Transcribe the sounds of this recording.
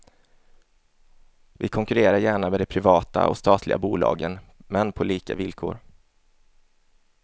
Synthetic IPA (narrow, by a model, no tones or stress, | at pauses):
vɪ̰kʰɔŋkɵɾeːɾaɾjæːɳamɛːd̪ɛpʰɾɪvɑːt̪a̰ʔɔ̰st̪ɑːt̪ʰlɪɡa̰buːlɑ̰ːɡənmɛnpʰɔliːka̰vɪlkʰo̰ːɾ